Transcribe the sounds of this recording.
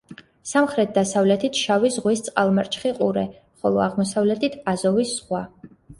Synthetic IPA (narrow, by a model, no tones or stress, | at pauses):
samχɾɛt̪̚ʰd̪asavlɛt̪ʰit̪ʰʃavisʁwist̪sʼqʼalˠmaɾt͡ʃʰχiqʼuɾɛ | χɔlˠɔaʁmɔsavlɛt̪ʰit̪ʰazɔvisːχwa